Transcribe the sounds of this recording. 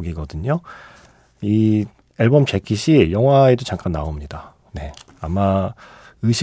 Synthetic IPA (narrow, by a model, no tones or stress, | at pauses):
ɡiɡʌdɯɲo | i | eɭbʌmt͡ɕekʰiɕʰijʌŋɦwaedot͡ɕaŋk͈anːaomɲida | ne̞ | ama | ɯɕʰi